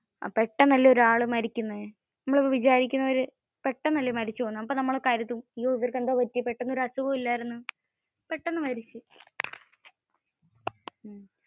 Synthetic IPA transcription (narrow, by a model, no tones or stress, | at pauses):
a̰pe̞ʈːɐnɐlːɐo̞ɾuaːɭɨmɐɾikʲːunːɐðɨ | nɐmːɐɭopːoʋit͡ɕaːɾikʲːunːɐʋɐɾɨ | pe̞ʈːɐmnɐlːɐmɐɾit͡ɕːɨpoːnːamɐpːoːnɐmːɐɭokaːɾjɐt̪ːimioːiðɐrkend̪aːʋɐt̪ːijɐpːeʈːenːɐo̞ɾuɐsuɣɐːilːaːɾenːɨ | pe̞ʈːenːɨmɐɾit͡ɕːɨ